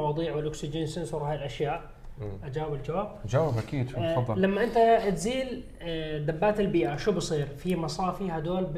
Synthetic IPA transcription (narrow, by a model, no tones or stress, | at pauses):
wɑːd̪ˤiːʕwɪlʔʊksɪd͡ʒinsɪnsuɾˤhaːjilʔaʃjaːʔ | ʔad͡ʒaːwɪbɪld͡ʒawaːbd͡ʒaːwɪbʔakiːd̪ˤːlamːaʔɪnt̪at̪ziːl | d̪abːaːt̪ɪlbiːʔaʃubɨsˤiːɾfimɑsˤɑːfihad̪oːlb